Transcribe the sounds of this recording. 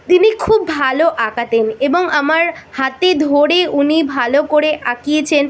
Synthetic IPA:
t̪inikʰubːʱaloʔakat̪eneboŋamaɾhat̪ed̪ʱoɾeʔunibʱalokoɾeʔakijet͡ɕʰen

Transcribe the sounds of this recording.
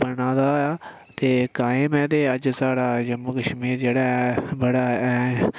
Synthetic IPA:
bənaːd̪aːaː | t̪eːkaːemɛ̃ːt̪eːəd͡ʒsaːɽaːd͡ʒəmuːkəʃmiːɾd͡ʒeːɽaːɛbəɽaːɛː

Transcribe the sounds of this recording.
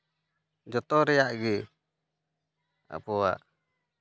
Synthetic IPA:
d͡ʒɔt̪ɔɾɛjaʔɡɛ | a̰pɔwa̰ʔ

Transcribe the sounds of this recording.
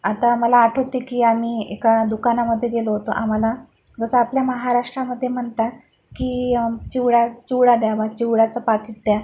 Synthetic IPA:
at̪aməlaːʈʰot̪ikiːamiːḛkad̪ukanaməd̪ʱːjeɡeloɦot̪oʔam̤ala | d͡zəsəapljaməɦaɾaʂʈɾaməd̪ʱːjem̤əɳt̪at̪ | kiːt͡ɕiwɽat͡ɕiwɽad̪jabat͡ɕiwɽat͡səpakiʈ̚d̪ja

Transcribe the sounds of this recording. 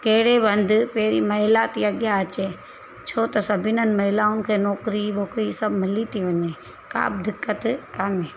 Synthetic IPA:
keɦɽebɐ̃nd̪peːɾimɐɦɪlat̪iɐɠjat͡ʃeː | t͡ʃʰoːt̪ɐsɐbʱɪnən̆mɐɦɪlaːʊnɪ̆kʰeːnɔːkɾiʋɔːkɾisɐbmɪlit̪iʋɐɲẽː | ka̰ːb̚d̪ɪkːət̪kaːneː

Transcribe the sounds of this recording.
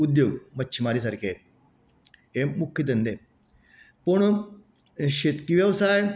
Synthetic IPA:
ud̪joɡmətːɕʰimaɾis̬aɾkʰe | emukʰjət̪̬ənd̪e | puɳ | ɕet̪kiʋjəʋsaj

